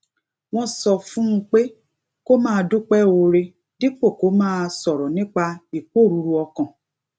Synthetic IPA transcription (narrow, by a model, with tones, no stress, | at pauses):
w̃ɔ̃˧sɔ˧fũ˦ũ˦k͡pe˦ | ko˦mãː˦˧du˦k͡pɛ˦o˧ɾe˧ | di˦k͡po˦˨ko˨˦mãː˦˧sɔ˨ɾɔ˨nĩ˦k͡pa˧i˨k͡po˦˨ɾu˨˧ɾu˧ɔ˧kã˨